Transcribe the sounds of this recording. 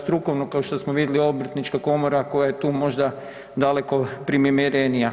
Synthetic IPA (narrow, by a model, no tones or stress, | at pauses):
st̪ɾuko̞ʋnokaoʃt̪osmoʋid̪jelio̞br̩t̪nit͡ʃkako̞moɾako̞jajet̪uːmo̞ʒd̪a | d̪ale̞ko̞pɾimimiɾenija